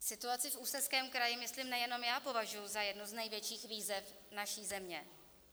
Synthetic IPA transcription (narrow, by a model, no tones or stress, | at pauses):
sɪt̪uat͡sɪfʔuːsɛskɛːmkɾajɪmɪsliːmnɛjɛno̞mjaːpo̞vaʒujuzajɛdnuznɛjvjɛt͡ʃiːxviːzɛfnaʃiːzɛmɲɛ